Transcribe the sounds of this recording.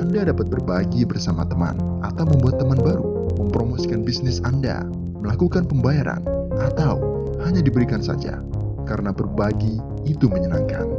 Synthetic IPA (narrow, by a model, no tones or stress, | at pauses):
ʔandadapat̪̚bərbaɡibərsamat̪əma̰nʔat̪awməmbuat̪ːəmanbaɾu | məmpɾomosikanbisnɪsanda̰ | məlakukanpəmbajaɾa̰nat̪aw | haɲadibəɾikansa̰d͡ʒa̰ | kaɾənabərbaɡiː | t̪uməɲəna̰ŋka̰n